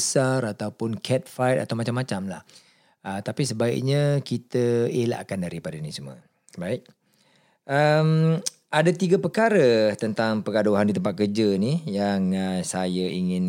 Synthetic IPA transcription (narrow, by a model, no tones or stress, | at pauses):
saɾat̪awpʊnkʰɛt̪̚fajt̪a̰t̪awmat͡ʃamːat͡ʃamla̰h | ət̪apisəbaḭk̚ɲãkit̪əela̰ʔkandaɾipadənisumuə̰ | baɪk̚ | ʔəm | adat̪iɡapəkaɾət̪ənt̪aŋpəɡaduɦandit̪əmpat̪̚kərd͡ʒənijaŋəsajaiŋɪn